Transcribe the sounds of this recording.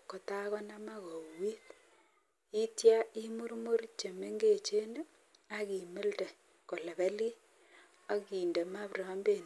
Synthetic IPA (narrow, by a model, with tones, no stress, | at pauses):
ko˨ta˦ɣo˦na˦ma˦ɣo˨wi˦t | i˦tja˦i˦mu˦ɾmo˦ɾt͡ʃe˨me˦ŋɡe˨t͡ʃe˦ne˦ | a˦ɣi˨me˦lte˨ | ko˨le˨βe˦li˦ | a˦ɣiː˨nde˨ma˦βraː˦mbe˦˨n